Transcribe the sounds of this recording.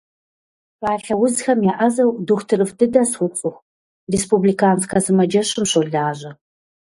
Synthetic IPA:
paːɬɐwʊzxɐmjaːʔɐzɐwduxʷtʰɨɾɨfdɨdɐsxʷʊt͡sʼʊxʷ | respublikʰaːnskʰɐzɨmɐd͡ʒɐɕɪmɕoɮaːʑɐ

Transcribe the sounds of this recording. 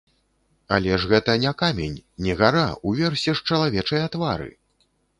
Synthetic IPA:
alʲɛʐɣɛt̪ɐnʲɛkamʲenʲnʲɛɣaɾauvʲɛrsʲɛʂt͡ʂɐlˠavʲɛt͡ʂɐjɐt̪vaɾɨ̰

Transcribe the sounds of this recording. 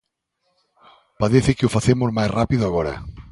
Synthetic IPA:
paðeθɪkɪʊfaθemʊzmajsrapiðʊaɣɔɾɐ̰

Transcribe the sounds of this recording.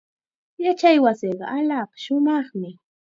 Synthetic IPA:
jat͡ʃajwasɪɢɑ̰ʔalɑqʃʊmɑχmɪ

